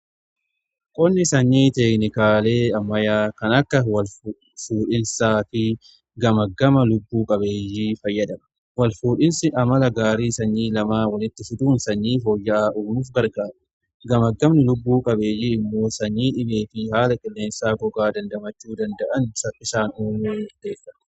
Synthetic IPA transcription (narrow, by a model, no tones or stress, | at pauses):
kʼɔnːɪsɐɲːiːt̪ɛknɪkaːle̞ːɐmːɐjaːkɐnɐkːɐwɐl | fuːᶑɪnsaːfɪ | ɡɐmɐɡːɐmɐlʊbːuːkʼɐbe̞ːjːiːfɐjːɐd̪ɐmɐ̥ | wɐlfuːᶑɪnsɪʔɐmɐlɐɡaːɾiːsɐɲːiːlɐmaːwɐlɪt̪ːɪfɪd̪uːnsɐɲːiːfoːjːɐʔaːʔuːnuːfɡɐɾɡaːɾɐ | ɡɐmɐɡːɐmnɪlʊbːuːkʼɐbe̞ːjiːɪmːo̞ːsɐɲːiːᶑɪbe̞ːfɪhaːlɐkʼɪlːe̞ːnsaːɡɔɡaːd̪ɐnd̪ɐmɐt͡ʃːuːd̪ɐnd̪ɐʔɐnsɐɪsaːnuːnuɪɾd̪eːfːɐtː